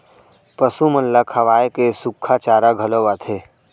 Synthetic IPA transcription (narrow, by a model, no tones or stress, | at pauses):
pəsumɐnləkʰɐʋaːjekesʊkʰːat͡ʃaːɾaɡʱɐloʋat̪ʰeː